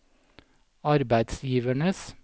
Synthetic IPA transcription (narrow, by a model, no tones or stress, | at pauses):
ɑɾbæɪd̪sjiːʋəɳəs